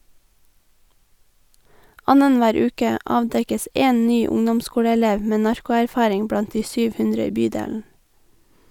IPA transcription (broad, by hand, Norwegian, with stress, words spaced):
ˈɑnənˌʋæːɾ ˈʉːkə ˈɑːʋdɛkəs ˈʔeːn ˈnyː ˈʊŋdɔmˌskuːɽəɛˌleːʋ ˈmeː ˈnɑɹkʊæɾˌfɑːɾɪŋ ˈbɽɑnt ˈdiː ˈsyːʋ ˈhʉndɾə ˈiː ˈbyːdeːln̩